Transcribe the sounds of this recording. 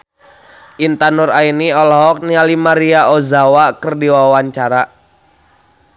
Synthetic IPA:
ʔint̪anʊrainiɔlɔɦɔk̚nialimaɾiaozawakərdiwawaɲt͡ʃaɾa

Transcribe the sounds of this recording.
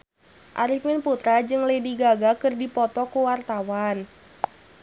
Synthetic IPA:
ʔa̰ɾifmɪnput̪ɾad͡ʒɨŋlediɡaɡakɨrdipɔt̪ɔkuwart̪awan

